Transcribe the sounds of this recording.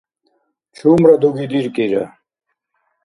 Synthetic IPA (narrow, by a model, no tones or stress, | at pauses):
t͡ɕʰumɾɐd̪uɡid̪iɾkiɾɐ̰